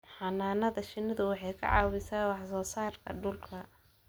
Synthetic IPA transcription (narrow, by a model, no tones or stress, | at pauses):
ħɑnaːnɐðɐʃɪnɪðʊwɑħɑjkʰɐ̰ʕɑ̰ːwɪsaːwɑħsɔːsaːrkʰɐ̰ɖʊlkʰɐ